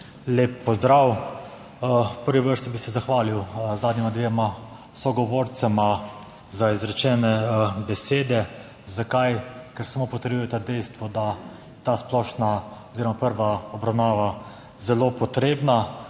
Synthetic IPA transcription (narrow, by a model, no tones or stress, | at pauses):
leːpːɔzd̪ɾaw | pəɾʋiʋəɾst̪ibisɛzaxʋaːliwzaːd̪nʲimad̪ʋeːɛma | sɔɡɔʋoɾt̪sɛma | zaizɾɛt͡ʃɛːnɛbɛseːd̪ɛ | zakajkɛɾsamoːpɔt̪əɾbujɛt̪ad̪ɛjst̪ʋɔd̪a | ɛt̪asplɔʃnaɔziːɾɔmapəɾʋaɔbɾawnaːʋa | zɛlopɔt̪ɾeːbna